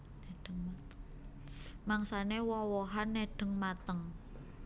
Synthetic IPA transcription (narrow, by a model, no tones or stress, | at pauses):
neɖ̥əŋmat̪əŋ | maŋsanewɔwɔɦanːeɖ̥ə̤ŋmat̪əŋ